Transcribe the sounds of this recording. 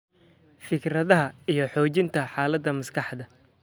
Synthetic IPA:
fɪkɾɐðɐɦɐijɞħɔːt͡ʃɪnt̪ʰɐħaːlɐd̪ːɐmɐskʰɑħd̪ɐ

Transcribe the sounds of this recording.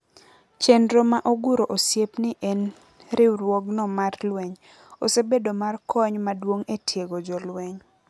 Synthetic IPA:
t͡ʃendɾomaʔoɡuɾoʔosjepnɪʔɛn | ɾɪɾwɔɡnɔmarlwɛɲ | o̰sebedomarkʰɔɲmadwoŋetʰjeɡod͡ʒɔlweɲ

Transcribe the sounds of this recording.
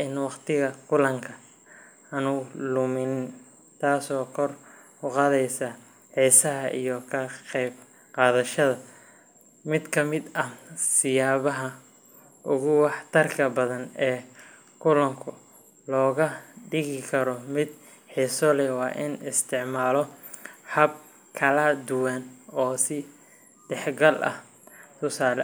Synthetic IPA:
ʔɪnwɑqt̪ʰɪɣɐkʰʊlɐŋkʰɐ | ɐnʊlʊmɪnɪn | t̪ʰaːsɔːkʰɔr | ʊqɑːðɛjsɐ | ħiːsɐɦɐʔḭjɔkʰɐqɛjb | qɑːðɐʃɐðɐ | mɪd̪kʰɐmɪd̪ɐsɪjaːβɐɦɐ | ʔʊɣʊwɑħt̪ʰɐrkʰɐbɐðɐnɛː | kʰʊlɐŋkʰʊ | lɔːɣɐɖɪɣɪkʰɐɾɔmɪd̪ | ħiːsɔlɛwɑːʔɪnɪst̪ʰɪʕmaːlɔħɐb̚ | kʰɐlɐd̪ʊwanɔːsɪ | ɖɛħɡɐlʔɐ̰h | t̪ʰʊsaːlɛ

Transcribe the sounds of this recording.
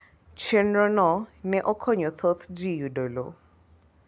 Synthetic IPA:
t͡ʃʰenɾɔnɔnɛʔɔkʰɔɲɔt̪ʰɔt̪ʰd͡ʒijudolo̰

